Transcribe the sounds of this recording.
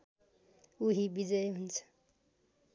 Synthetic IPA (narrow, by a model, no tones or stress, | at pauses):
uɦibid͡zʌjɦunt͡sʰʌ̥